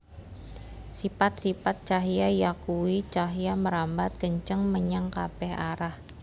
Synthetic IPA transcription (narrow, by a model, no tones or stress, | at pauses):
sipat̪̚sipat̪̚t͡ʃaɦjajakuwit͡ʃaɦjaməɾambat̪̚ɡ̥əɲt͡ʃəŋməɲaŋka̰b̥ɛhaɾah